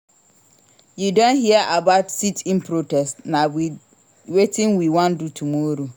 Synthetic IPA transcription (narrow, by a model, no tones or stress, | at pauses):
judõnɦiaʔabaʊtsitʰĩnpʰɾotʰɛstnãwi | wetʰɪ̃ŋwiwãndutʰumɔɾo